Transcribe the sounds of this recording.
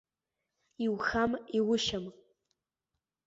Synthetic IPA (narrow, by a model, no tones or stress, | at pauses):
iwxamiwʊʃam